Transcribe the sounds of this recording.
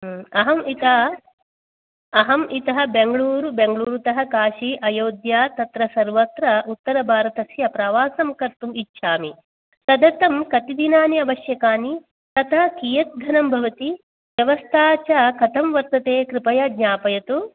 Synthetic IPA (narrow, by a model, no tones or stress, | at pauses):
ɐɦɐmit̪ɐ | ɐɦɐmʔit̪ɐɦɐ̆beŋɡɐɭuːɾubeŋɡɭuːɾut̪ɐɦɐkaːʃiʔɐjoːd̪jaːt̪ɐt̪ɾɐsɐɾʋɐt̪ɾɐʔut̪ːɐɾɐbʱaːɾɐt̪ɐsjɐpɾɐʋaːsɐmkɐɾt̪umitːʃʰaːmi | t̪ɐd̪ɐt̪ɐmkɐt̪id̪inaːniɐʋɐʃjɐkaːni | t̪ɐt̪ʰɐkiːjɐt̪̚d̪ʱɐnɐmbʱɐʋɐt̪i | ʋjɐʋɐst̪ʰaːt͡ʃakʰɐt̪ʰɐmʋɐɾt̪ɐt̪eːkɾɪpɐjɐd̪ɲaːpɐjɐt̪u